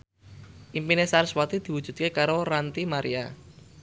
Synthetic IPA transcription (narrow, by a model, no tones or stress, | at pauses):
ʔimpinesaɾswat̪id̪̥i̤wud̥ʒ̥ṳd̪̚kekaɾorant̪imaɾia